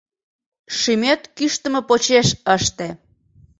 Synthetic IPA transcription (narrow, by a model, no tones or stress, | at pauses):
ʃymøt̪kyʃt̪ə̆mepot͡ɕeʃəʃt̪e